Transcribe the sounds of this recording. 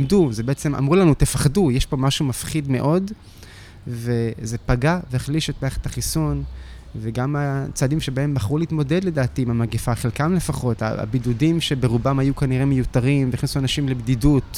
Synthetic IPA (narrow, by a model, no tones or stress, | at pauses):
mduzebeet͡se̞ma̰mʁulanut̪efaχdujeʃpo̞maʃumafχidme̞̰ʔo̞d | ve̞ze̞paɡaveaχliʃet̪̚maeχet̪haχisun | veɡamat͡saːdimʃebae̞mbaχʁuleit̪mo̞de̞dle̞d̪aːt̪iimamaɡefaːχelkamle̞faχo̞ta̰a̰bid̪udimʃe̞be̞ʁubamhajukaniʁemejut̪aʁimveiχnisuanaʃimlebdidut